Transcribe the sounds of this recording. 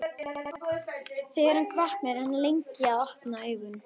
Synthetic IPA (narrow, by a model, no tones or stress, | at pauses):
θɪːɣɪɾ̥hankʰvahknɛɾhanːalejɲcɪaðɔhpnaœːɥɣʏn